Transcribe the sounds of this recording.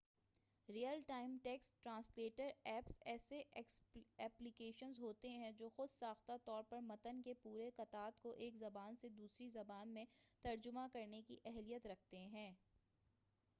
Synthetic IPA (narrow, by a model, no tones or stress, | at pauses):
ɾijəlʈaːɪmʈɛːksʈɾãːsleːʈəɾɛːpsɛːseʔɛksɛːplɪkeːʃənzɦoːt̪eɦɛ̃d͡ʒoːxʊd̪saːxt̪at̪ɔːɾpɐɾmɐt̪ənkepuːɾekɐt̪aːt̪koʔeːkzɐbaːnsed̪uːsɾizɐbaːnmẽt̪ɐɾd͡ʒʊmakɐɾnekḭʔɛɦlijət̪ɾɐk̚ʰt̪eɦɛ̃ː